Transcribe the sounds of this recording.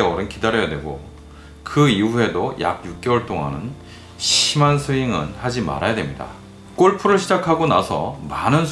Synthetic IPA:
eʌɾɯnkidaɾjʌjadwe̞ɡo | kɯiue̞doja̰ɡ̚juk̚k͈e̞wʌɭt͈oŋa̰nɯn | ɕʰimansʰɯiŋɯnhad͡ʑima̰ɾajadwe̞̰mɲida̰ | k͈oɭpʰuɾɯɭɕʰid͡ʑakʰaɡonasʰʌ̰manɯns

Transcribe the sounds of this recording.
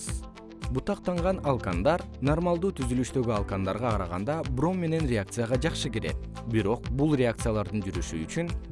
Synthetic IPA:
but̪ɑq̚t̪ɑɴʁɑnɑlˠkand̪ɑɾno̞rmalˠd̪uːt̪ʰyzylyʃt̪ø̞ɡyɑlˠkand̪ɑɾʁɑqʰɑɾɑʁɑ̰nd̪ɑbro̞mːe̞ne̞nrʲeak̚t̪sɨjaʁɑd͡ʒɑqʃɯkeɾe̞̰t̪̚ | biɾo̞q̚bulˠrʲeak̚t̪sɨjalˠɑɾd̪ɯnd͡ʒyɾyʃyːt͡ʃyn

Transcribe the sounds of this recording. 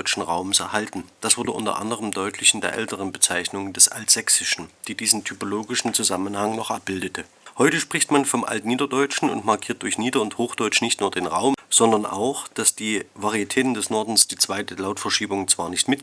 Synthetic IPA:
ʏt͡ʃn̩ʁaʊməsɛɐhaltn̩d̥asv̥ʊɐdəʔʊntɐ̰ʔa̰ndəʁəmdɔʏtʰlɪçɪndeːɐʔɛ̰ltəʁ̞ənbət͡saɪçnʊŋəndɛsʔa̰ltz̥ɛksɪʃn̩d̥iːdiːzn̩tʰypoloːɡɪʃn̩t͡suzamənhaŋnɔχʔap̚b̥ɪldətə | hɔʏtəʃpʁ̥ɪçtmanfɔmʔa̰ltniːdɐdɔʏt͡ʃn̩ʊ̰ntmaɐkʰiːɐt̚d̥ʊɐçniːdɐʊnthoːxd̥ɔʏt͡ʃnɪçtnuːɐdeːnʁaʊmz̥ɔndɐna̰ʊxd̥asd̥iːvaʁiɛtʰɛːtn̩dɛsnɔɐdn̩sd̥iːt͡sv̥aɪtəlaʊtfɛɐʃiːbʊŋt͡sv̥aːɐnɪçtmɪt̚

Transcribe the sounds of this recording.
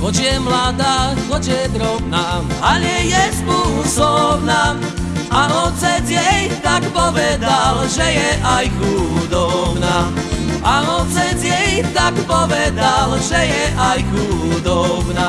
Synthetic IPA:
ɦɔt͡ʃjɛmlaːd̪aːɣɔd͡ʒjɛd̪ɾɔbnaaɲɛjɛspusɔbna | ʔaɦɔt͡sɛd͡ʑɛjt̪akpɔʋɛd̪alʒɛjɛʔajxud̪ɔbnaʔaɦɔt͡sɛd͡ʑɛjt̪akpɔʋɛd̪alʒɛjɛʔajxud̪ɔbna

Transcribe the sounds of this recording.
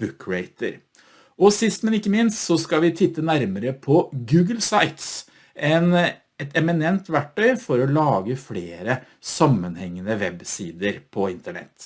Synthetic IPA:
b̥ʉkʰɹeɪt̪ə̰ɾ | ɔsɪst̪mɛnɪkːəmɪnst̪sɔskɑʋɪt̪ʰɪt̪ːənæɾməɾəpʰɔɡʉːɡəlsaɪt̪s | ʔɛn | ɛt̪ɛmɪnɛnt̪ʋæʈːœʏfɔɾɔlɑːɡəfleːɾə | sɑmːənhɛŋːənəʋɛbsḭːd̪əɾpʰɔɪnt̪əɳɛ̰t̪ː

